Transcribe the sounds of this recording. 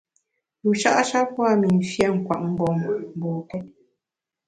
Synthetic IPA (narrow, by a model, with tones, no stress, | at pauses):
lu˨ʃa̰˦ʔa˦ʃa˦pwa˦˨mi˨n̩˨fjɛ˦˨ŋ̩˨kwa̰˨ʔm̩˦bɔ˨mm˨bɔː˨kɛ˦